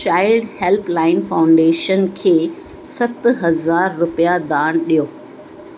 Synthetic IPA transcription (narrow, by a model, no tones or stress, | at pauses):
ʃaːɪɖhɛlplaːɪnfaːʊ̃ɳɖeːʃənkʰeː | sɐt̪ɦɐzaːɾːʊpijad̪aːɽ̃ɗijoː